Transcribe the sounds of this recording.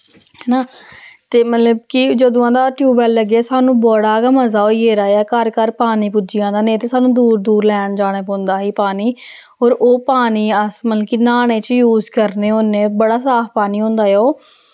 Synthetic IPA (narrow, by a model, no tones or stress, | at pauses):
ɦɛːnaːt̪eːmət̪ləbkid͡ʒəd̪õːãːd̪aːʈjuːbɛlːəɡaːsaːnũːboːɽaːkəməzaːɦoːieːɾaːɛːkəɾkəɾpaːniːpʊd͡ʒɪjãːd̪aːnẽːt̪eːsaːnũːd̪uːɾd̪uːɾlɛːɳd͡ʒaːɽ̃eːpõːnd̪aːɦiːpaːniː | oːɾoːpaːniːəsməlkinaːɽẽːt͡ʃjuːzkəɾneːoːnẽːbəɽaːsaːfʰpaːniːɦõːnd̪aːjɛoː